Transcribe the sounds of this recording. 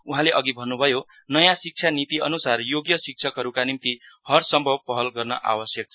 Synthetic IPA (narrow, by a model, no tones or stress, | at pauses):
uɦãleʔʌɡibʱʌnːubʱʌjo | nʌjãsik̚t͡sʰanit̪iʌnusarjoɡjʌsik̚t͡sʰʌkɦʌɾukanimt̪i | hʌrsʌmbʱʌbpʌɦʌlɡʌrnʌ̰ʔa̰wʌsjʌk̚t͡sʰ